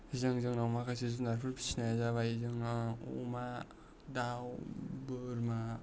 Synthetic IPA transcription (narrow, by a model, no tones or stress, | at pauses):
izɯŋzɯŋnawmakʰasizunaɾpʰɯɾpʰi̥sinajazaβaizɯŋṵma | dawbɯɾma